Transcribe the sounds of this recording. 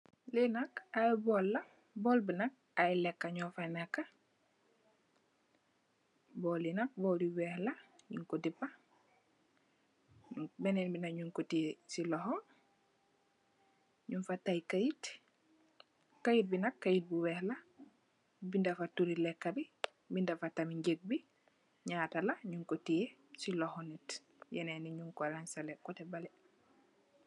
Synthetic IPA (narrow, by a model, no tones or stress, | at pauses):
linakabolːa | boːlbinak̚ajlekːaɲofanakːa | bolinak̚boliweːhlaɲṵŋkotipa | ɲubenenbinaɲuŋkotisiloɦo | ɲunfatːajkajit | kajit̚binakːajit̚buwehla | bindafatuɾilekːabi | bindafatːamiɲɟeɡ̚bi | ɲaːtalaɲuŋkotijesilohonit | jeneniɲuŋkoɾansalekotebale